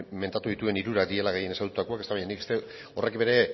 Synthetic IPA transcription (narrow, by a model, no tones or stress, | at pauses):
me̞nt̪at̪uðit̪ue̞niɾuɾakd̪ie̞laɣeje̞neand̪ut̪akoaket̪aβajɲaniku̥st̪e̞ | o̞re̞kbe̞ɾe̞